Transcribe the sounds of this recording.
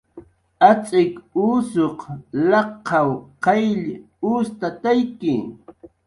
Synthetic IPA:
at͡ʃʼɪkuːsoqlɑqːɑwqɑjʎ | uːst̪at̪ajkɪ

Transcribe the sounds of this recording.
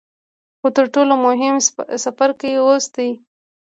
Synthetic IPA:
xot̪əɾʈolomʊɦɪmsafaɾkawiosd̪aj

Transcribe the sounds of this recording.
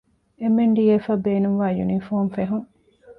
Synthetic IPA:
emeɳɖiefɐbeːnuŋʋaːjunifoːmfeɦuŋ

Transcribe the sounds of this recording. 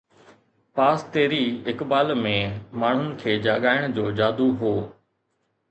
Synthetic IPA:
paːst̪eːɾiɪkbaːlmẽmaːɳ̤ʊnɪ̆kʰeːd͡ʑaːɠaːɪɽ̃d͡ʑoːd͡ʑaːd̪uɦoː

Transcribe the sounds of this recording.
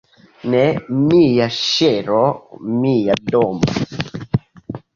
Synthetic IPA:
nɛmijaʃeɾɔmijadomɔ̰

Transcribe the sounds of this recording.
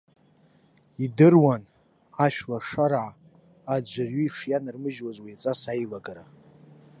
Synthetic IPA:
idɨrwan | aʃᶣlaʂaɾaʕ | ad͡ʒʷarɥiiʂjanɨrmɨʒwazwijat͡sʼasajlaɡaɾa

